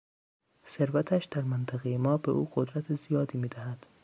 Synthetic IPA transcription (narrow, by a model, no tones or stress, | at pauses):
se̞ɾvæt̪ʰæʃd̪̥æɾmænt̪ʰæɣejemɒːbe̞̰ʔuːɢod̪ɾæt̪ʰezijɒːd̪iːmiːd̪æhæd̪̥